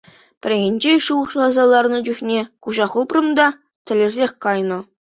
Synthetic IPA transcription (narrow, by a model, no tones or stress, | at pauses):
pʲɘ̆rʲeɣʲĕnʲd͡ʑeʂuɤ̆χʃlɑzɑlˠɑrnɤ̆d͡ʑyxʲnʲekuʑɑχuprɤ̆md̪ɑ | t̪ʲɘ̆lʲĕrʲzʲexʲkɑjnɤ̆